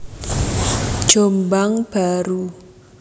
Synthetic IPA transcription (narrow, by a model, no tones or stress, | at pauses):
ʒ̥ombaŋb̥aɾu